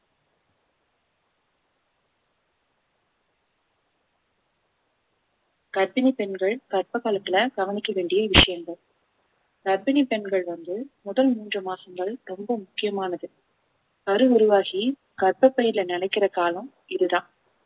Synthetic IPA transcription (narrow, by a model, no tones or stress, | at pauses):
kɐɾbɪnipɛnɡɐɭkɐrpɐɣaːlɐt̪ːɪlɐɡɐʋɐnɪkːɐʋeːɳɖɪjɐʋɪʂɐjɐŋɡ̪ɐɭ | kɐɾbɪnipɛnɡɐɭʋɐnd̪ɯmʊðɐlmuːndrɐmaːsɐŋɡɐɭɾɔmbɐmʊkːɪjɐmaːnɐðɯ | ɐɾɯʊɾʊʋaːɣi | kɐɾpɐpːɐjɪɾlɐnɐnɐɪkːɪrɐkaːlɐ̃m | ɪðɯðãːn